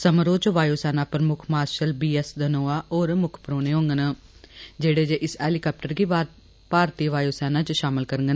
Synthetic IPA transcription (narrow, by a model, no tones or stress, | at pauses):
səmɾoːt͡ʃʋaːjoːsɛːnaːpəɾəmʊkʰmaːɾʃəlbiːɛsd̪ənoːaːoːɾmʊkʰpɾoːneːɦõːŋɡənə | d͡ʒeːɽeːd͡ʒeːʔɪsɛːlikaːp̚ʈəɾɡiː | paːɾt̪iːʋaːjoːsɛːnãːt͡ʃʃaːmɪlkəɾəŋɡən